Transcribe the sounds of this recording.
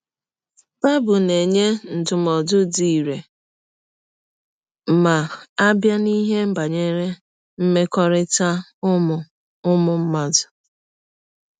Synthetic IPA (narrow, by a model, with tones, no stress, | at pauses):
b̥a˦bʊ˨ne˨ɲe˦n̩˨dʊ˨mɔ˨dʊ˦di˨i˨ɾe˨ | ma˨a˦bja˦ni˦ɦe˦m̩˦ba˨ɲe˦ɾe˦ | m̩˦me˦kɔ˦ɾɪ˦ta˦m˨ | ʊ˦mʊ˦m̩˦ma˦dʊ˨